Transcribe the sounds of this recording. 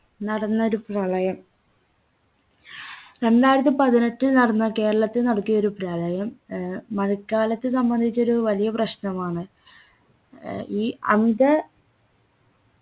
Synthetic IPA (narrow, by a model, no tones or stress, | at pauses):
nɐɽɐnːɐo̞ɾuprɐlɐjɐm | ɾe̞ndaːjɾɐt̪̬ːipɐðine̞ʈːinɐɽɐnːɐke̞ːɾɐɭɐt̪ːinɐɽɐkːijɐo̞ɾuprɐɭɐjɐmː | ɐɻukːaːlɐt̪ːɨsɐmbɐnd̪ʱit͡ɕːoɾuʋɐlijɐprɐɕnɐmaːɳɨ | iːɐ̰miðɐ